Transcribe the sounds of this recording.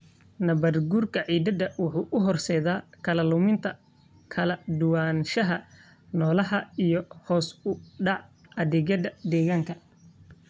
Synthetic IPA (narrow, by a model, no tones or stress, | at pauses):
nɐβɐrɡurkʰɐʕiːd̪ɐd̪ɐwʊħuːʔʊɦɔrsɛjðaːkʰɐlɐlʊmɪnt̪ʰɐ | kʰɐlɐd̪ʊwaːnʃɐɦɐ | nɔːlɐɦɐijɔhɔːsʊɖɑʕɐðɛɣɐðɐd̪ɛːɣaːŋkʰɐ